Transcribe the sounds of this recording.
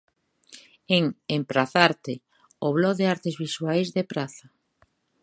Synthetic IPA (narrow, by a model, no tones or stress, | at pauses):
eŋempɾaθaɾt̪e | oβlɔðeaɾt̪ezβiswajzðepɾaθa